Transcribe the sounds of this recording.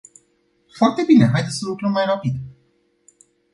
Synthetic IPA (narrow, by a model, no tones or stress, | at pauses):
foart̪e̞bine̞ɦajd̪et̪səlukɾəmːajrapid̪